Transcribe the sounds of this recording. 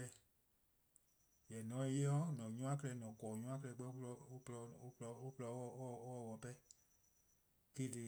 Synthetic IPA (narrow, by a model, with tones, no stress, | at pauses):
ɛ˧ | jɛ˨nɔ̃˨˦e˧je˦ɔ˦nɔ̃˨ɲũ˦ã˦kɛ˦lɛ˧˦nɔ̃˨kɔː˨ɲũ˦ã˦k̬ɛ˧lɛ˧˦ɡ͡bɛ˦ɔ˧˦plɔ˧o˦plɔ˧˦o˦plɔ˧˦˨ɔ˧˨˦wɔ˧˨wɔ˧˨pɛ˦ | ke˦tɨ˧